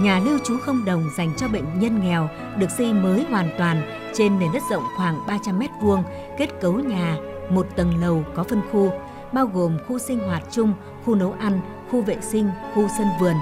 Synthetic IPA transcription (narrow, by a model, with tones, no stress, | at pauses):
ɲaː˨˩li˧əwt͡ɕu˨˦xə˧wŋ͡mɗə˨˩wŋ͡mza˨˩jŋ̟t͡ɕɔ˧ɓə̰˧˨ŋ̟ɲə˧nŋɛ˨˩w | ɗɨ˨˩ək̚zi˧məː˨˦jɦwaː˨˩nt̪waː˨˩n | t͡ɕe˧nme˧˩nɗə˦˥t̚zə̰˧˨wŋ͡mxwaː˧˩ŋɓaː˧t͡ɕa˧mːɛ˦˥t̚vu˧əŋ | ke˦˥t̚kə˨˦wɲaː˨˩mo˨˩t̚t̪ə˨˩nlə˨˩wkɔ˨˦fə˧nxu˧ | ɓaː˧wɣo˨˩mxu˧sï˧ŋ̟ɦwaː˨˩t̚t͡ɕʊ˧ŋ͡m | xu˧nə˨˦wʔa˧ŋ̟ | xu˧vḛ˧˨sï˧ŋ̟xu˧sə˧nvɨ˨˩ən